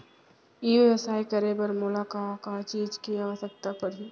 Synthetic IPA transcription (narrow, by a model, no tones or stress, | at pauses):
iːʋeʋəsaːikɐɾebəɾmʊlakaːõkat͡ʃiːd͡ʒkiaːʋəsək̚t̪apɐɽi